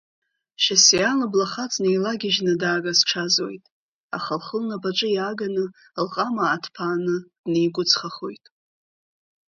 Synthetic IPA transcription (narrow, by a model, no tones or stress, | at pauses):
ʃasianablaχat͡sʼnejlaɡʲɪʒnɨdaːɡasʈ͡ʂʰazo̞̰jtʼ | a̰χalχəlnabaʈ͡ʂʼɨjaɡanɨ | lqʼamaːtʰpʰaːnɨd̥nejɡʷʊt͡sʰʼχaχo̞̰jtʼ